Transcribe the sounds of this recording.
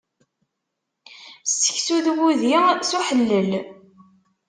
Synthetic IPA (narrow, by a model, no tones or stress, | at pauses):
sə̥çsuðwuðisuħəlːəl